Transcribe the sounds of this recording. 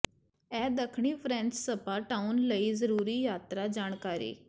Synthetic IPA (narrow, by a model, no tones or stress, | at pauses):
ɛːd̪əkʰɽ̃ipʰɾɛ̃ːnt͡ʃsəpaʈaunləizəɾuːɾijaːt̪ɾad͡ʒaːɽ̃kaːɾḭː